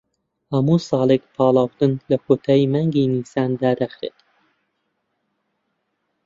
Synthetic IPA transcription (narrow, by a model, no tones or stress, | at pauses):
hɐmuːsɑːlekpʰɑːlˠɑːwt̪ɨnlɐkʰoːt̪ʰaːjimaŋɡiːniːsaːnd̪aːd̪axɾḛːt̪